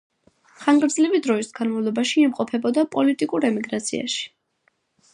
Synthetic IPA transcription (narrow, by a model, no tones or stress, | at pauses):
χaŋɡɾd̪zlivid̪ɾɔisɡanmavlˠɔbaʃiːmqʼɔpʰɛbɔd̪apʼɔlit̪ʼikʼuɾɛmiɡɾat̪sʰḭa̰ʃi̥